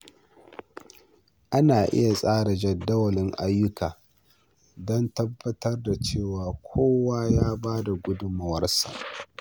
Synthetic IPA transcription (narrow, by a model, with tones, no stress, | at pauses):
ʔa˦naː˨ʔɪ̰˦ja˨sʼaː˦ɽa˨d͡ʒɛ˨dːɐ˦wɐ˨lɪ˦ŋʔa˦jːʊ˦kʰaː˨ | dɔ˦ntɐ˦bːɐ˦tɐ˦rda˨t͡ʃeː˦˨waː˨kʷʰoː˦waː˦jaː˦baː˦da˨ɡʷʊ˦dʊ˦ma˨wɐ˦rsa̰˨ʔ